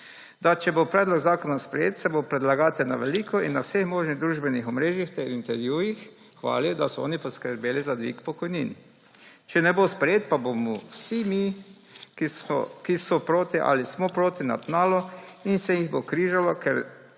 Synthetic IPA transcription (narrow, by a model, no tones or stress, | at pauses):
d̪at͡ʃɛbopɾɛːd̪lɔɡzaːkɔnaspɾɛjḛːt̪sɛbopɾɛd̪laɡaːt̪ɛnaʋɛliːkʰɔinːawsexmoːʒniɣd̪ɾuːʒbɛnixɔmɾeːʒjixt̪ɛɾint̪ɛɾʋjujix | xʋa̰ːlid̪asɔɔ̰ːnipɔskəɾbeːlizad̪ʋḭkpɔkɔjniːn | t͡ʃɛnɛbospɾɛjeːt̪̚pabomɔwsimi | kkisɔpɾoːt̪iʔa̰lismɔpɾoːt̪ina̰p̪naːlɔinsɛjiɣbokɾiːʒalɔkɛɾ